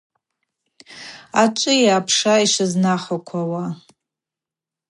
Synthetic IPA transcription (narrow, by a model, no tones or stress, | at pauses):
at͡ʃʷʼʊjaaːpʰʂaiʂɨznaχʷakʷʰawa